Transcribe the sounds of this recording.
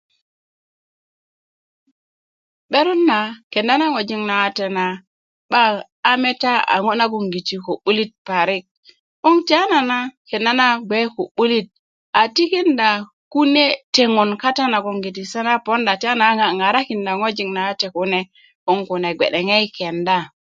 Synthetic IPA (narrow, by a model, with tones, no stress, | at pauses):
ɓe˦ɾu˦nːa˨ke˨nda˦na˦ŋo˨d͡ʒi˦ŋna˨wa˦te˨na˨ | ɓaː˦ | me˦ta˦a̰˨ŋo˦na˦ɡ̬u˨ŋɡi˨ti˨ko˨ɓu˦li˦t̚pa˨ɾi˦k̚ | u˦ŋta˦na˨na˦ke˨nda˦na˦ɡʷe˦ku˨ɓu˦li˦t̚ | a˨ti˦ki˦nda˨ | ku˦ne˦te˨ŋu˨nka˦ta˦na˨ku˨ŋɡi˨t̬i˨sa˦na˦po˦nda˨ti˦a˦na˨˦ŋa˨ŋa˨ɾa˦ki˨nda˨ŋo˦d͡ʒi˨ŋna˨wa˦te˨ku˦ne˦ | ku˦ŋku˨ne˨ɡḛ˨ɗe˨ŋe˦i˦ke˨nda˦